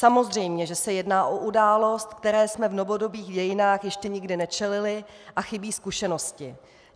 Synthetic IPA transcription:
samo̞zr̝ɛjmɲɛʒɛsɛjɛdnaːʔo̞ʔudaːlo̞st̪kt̪ɛɾɛːsmɛvno̞vo̞do̞biːɣɟɛjɪnaːxjɛʃcɛɲɪɡdɪnɛt͡ʃɛlɪlɪʔaxɪbiːskuʃɛno̞scɪ

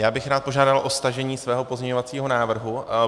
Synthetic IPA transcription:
jaːbɪxɾaːt̪̚po̞ʒaːdalʔo̞st̪aʒɛɲiːsvɛːɦo̞pozɲɛɲo̞vat͡siːɦo̞naːvr̩ɦu

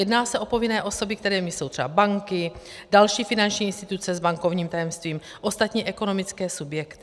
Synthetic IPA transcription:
jɛdnaːsɛʔo̞po̞vɪnɛːʔo̞so̞bɪkt̪ɛɾɛːmɪso̞wt̪r̥ɛbabaŋkɪ | dalʃiːfɪnant͡ʃɲiːɪnst̪ɪt̪ut͡sɛzbaŋkovɲiːmt̪ajɛmst̪viːm | ʔost̪at̪ɲiːʔɛko̞no̞mɪt͡skɛːsubjɛkt̪ɪ

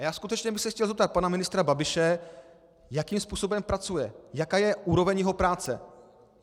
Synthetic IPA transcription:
ajaːskut̪ɛt͡ʃɲɛbɪxsɛxcɛlzɛp̚t̪at̪̚panamɪnɪst̪ɾababɪʃɛ | jakiːmspuːso̞bɛmpɾat͡sujɛjakaːjɛʔuːɾo̞vɛɲjɛɦo̞pɾaːt͡sɛ̰

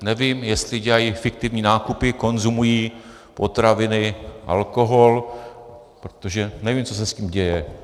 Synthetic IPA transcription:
nɛviːmjɛst̪lɪɟɛlajifɪk̚t̪ɪvɲiːnaːkupɪko̞nzumujiː | po̞t̪ɾavɪnɪʔa̰lko̞ɦo̞l | pɾot̪oʒɛnɛviːmt͡so̞s̬ɛsciːmɟɛjɛ

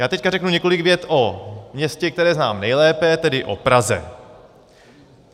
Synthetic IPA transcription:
jaːt̪ɛc̚karɛknuɲɛko̞lɪɡvjɛt̪ʔomɲɛscɛk̚t̪ɛɾɛːznaːmnɛjlɛːpɛt̪ɛdɪʔo̰pɾazɛ̰

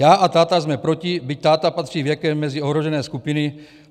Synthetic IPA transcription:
jaːʔat̪aːt̪azmɛpɾo̞cɪbɪc̚t̪aːt̪apat̪r̥iːvjɛkɛmːɛzɪo̞ɦɾoʒɛnɛːskupɪnɪ

